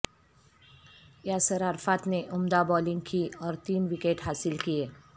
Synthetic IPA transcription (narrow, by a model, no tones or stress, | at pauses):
jaːsəɾaɾfaːt̪neʔʊmd̪abɔːlɪ̃ŋɡ̚kiɔːɾt̪iːmʋɪkeːʈɦaːsɪlkieː